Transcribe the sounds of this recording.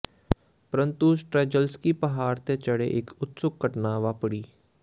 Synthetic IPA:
pəɾənt̪usʈɾɛːd͡ʒəlskipəɦaːɾt̪et͡ʃəɽḛʔɪkʊt̪sʊkːəʈnaːʋaːpɽiː

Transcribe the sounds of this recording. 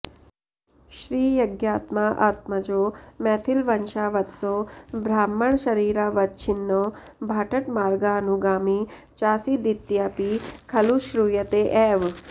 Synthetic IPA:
ʃɾiːjɐɡjaːt̪maʔa̰ːt̪̚mɐd͡ʒoːmɛːt̪ʰilʋɐnʃaːʋɐt̪soːbʱɾaːmːəɳʃɐɾiːɾaːʋɐt̪t͡ʃʰinːo | bʱaːʈɐʈmaːɾɡaːnuɡaːmiː | t͡ʃaːsiːd̪it̪jaːpikʰɐluʃɾuːjɐt̪eʔɛːʋ

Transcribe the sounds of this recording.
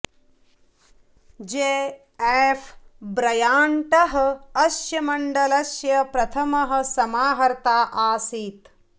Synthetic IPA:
d͡ʒeː | eːfbɾɐjaːɳʈɐɦɐ̆ɐʃjɐmɐɳɖɐlɐʃjɐpɾɐt̪ʰɐmɐɦɐ̆sɐmaːɦɐɾt̪aːʔaːsiːt̪

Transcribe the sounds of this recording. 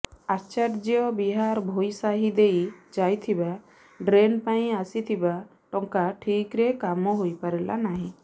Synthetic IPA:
aɾt͡ʃaʈd͡ʒijɔbiɦaɾbʱojsaɦid̪ejd͡ʒajt̪ʰiba | ɖɾenpãj̃asit̪ʰiba | ʈɔŋkaʈʰikɾɛkamɔɦojpaɾɛlʔa̰naɦĩ

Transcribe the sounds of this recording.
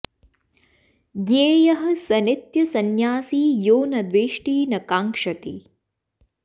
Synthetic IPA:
ɡeːjɐɦɐ̆sɐnit̪jɐsɐnjaːsiːjoːnɐd̪ʋeːʂʈiːnɐkaːŋkʂɐt̪i

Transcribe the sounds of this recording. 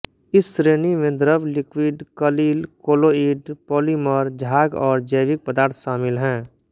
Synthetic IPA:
ɪsːɾeːnimẽd̪ɾəʋlɪkwiːɖkəliːlkoːloiːɖpɔːliməɾd͡ʒʱaːɡɔːɾd͡ʒəɪʋɪk̚pəd̪aːɾt̪ʰʃaːmɪlɦɛ̃ː

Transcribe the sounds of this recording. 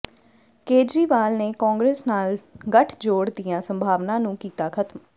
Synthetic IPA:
keːd͡ʒɾiːʋaːlneːkɔ̃ːŋɡɾeːsnaːlɡəʈʰd͡ʒoːɽd̪ɪjãːsəmbʱaːʋnãːnũːkiːt̪aːkʰət̪m

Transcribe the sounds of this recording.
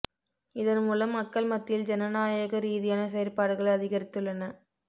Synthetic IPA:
ɪðɐnmuːlɐmːɐkːɐɭmɐt̪ːɪld͡ʒɛnɐnaːjɐɣɐɾiːðɪjaːnɐsɛjɐɾpaːɽɯɣɐɭɐðɪɣɐɾɪt̪ːɯlːɐnɐ

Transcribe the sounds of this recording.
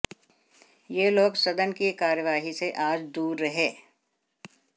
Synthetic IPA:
jeːloːɡsɐd̪ənkikaːɾjəʋaːɦiseʔaːd͡ʒd̪uːɾːɐɦeː

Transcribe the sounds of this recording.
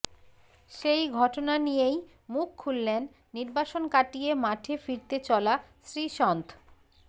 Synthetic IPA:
ʃejɡʱɔʈonanijej | mukʰːulːenː | iɾbaʃonkaʈijemaʈʰefiɾt̪et͡ɕɔlaʃɾiʃɔnt̪ʰ

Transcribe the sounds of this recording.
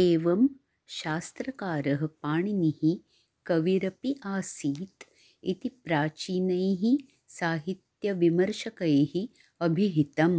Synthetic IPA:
eːʋɐm | ʃaːst̪ɾɐkaːɾɐɦɐ̆paːɳinihi | kɐʋiɾɐpiʔaːsiːt̪ | it̪ipɾaːt͡ʃiːnɐjɦi | saːɦit̪jɐʋimɐɾʃɐkɐjɐhi | ɐbʱiɦit̪ɐm

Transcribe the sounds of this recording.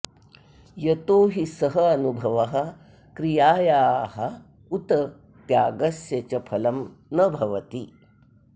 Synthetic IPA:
jɐt̪oːɦisɐɦɐɐnubʱɐʋɐɦɐ̆ | kɾijaːjaːɦɐ | ut̪ɐ | t̪jaːɡɐsjɐt͡ʃɐpʰɐlɐmnɐbʱɐʋɐt̪i

